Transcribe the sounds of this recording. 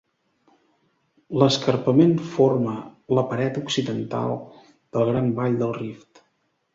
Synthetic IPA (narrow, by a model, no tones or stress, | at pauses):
ləskərpəmenformələpəɾɛt̪uksiðənt̪a̰lˠ | d̪̥əlˠɣɾambaʎd̪əlˠrift̪